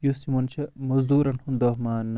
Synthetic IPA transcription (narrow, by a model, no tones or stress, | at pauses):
jusimɐnt͡ʃʰɐmɐzd̪uːɾɐnhumd̪oɦmaːn